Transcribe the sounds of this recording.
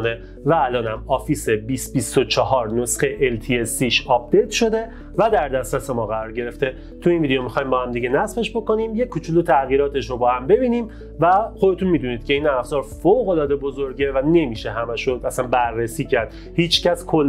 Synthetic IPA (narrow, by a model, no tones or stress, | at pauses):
ne | væːlɒːnæmɒːfiːsebisbist̪ot͡ʃʰɒɦɒːɾnosxeʔelt̪ʰiesiʃɒːp̚d̪ejt̪ʰʃo̞d̪e̞ | væd̪æɾd̪æst̪ɾæse̞mɒːɣæɾɒːɾɟe̞ɾe̞ft̪e̞ | t̪ʰuiːnviːd̪ejomixɒːjimbɒːhæmd̪iɡɟe̞næsfe̞ʃbo̞ko̞nimjekʰːut͡ʃʰulut̪ʰæɣiːɾɒːt̪ʰe̞ʃɾobɒːhæmbe̞biːniːm | væxod̪e̞t̪ʰunmiːd̪uniːd̪̥cʰʲe̞iːnæfzɒːɾfoɣo̞lɒːd̪e̞bo̞zoɾɟe̞væne̞miːʃeɦæmæʃoæsænbærːesiːcʰæɾd̪̥ | hiːt͡ʃʰcæskʰolː